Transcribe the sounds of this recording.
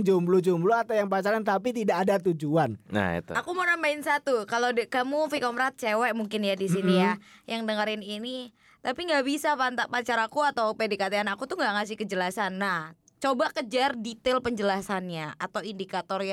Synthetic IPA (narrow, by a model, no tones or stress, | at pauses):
ŋd͡ʒumblud͡ʒumbluat̪awjaŋpat͡ʃaɾant̪apit̪idaːdat̪ud͡ʒuanna̰ḭt̪ṵakumonambaɪnsat̪ukaladkamufikɔmɾat̪̚t͡ʃewɛʔmuŋkɪnjadisinijajaŋdəŋəɾɪnini | t̪apiŋɡaʔbisafant̪aʔpat͡ʃaɾakuat̪awpedikat̪aanakut̪uhŋɡaʔŋasɪhkəd͡ʒəlasanːah | t͡ʃobakəd͡ʒardit̪elpəɲd͡ʒəlasanɲaat̪awindikat̪ɔrj